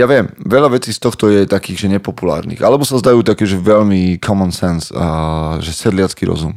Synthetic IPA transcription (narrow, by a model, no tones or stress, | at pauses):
jaʋɪɛmʋɛʎaʋɛt͡siːst̪ɔxt̪ɔjɛt̪akiːɣʒɛɲɛpɔpula̰ːɾnḭːxalɛbɔsazd̪ajuːt̪akɛːʒɛʋɛʎmikʰɔmɔnsɛns | ʒɛsɛd̪lɪat͡skiɾɔ̰zum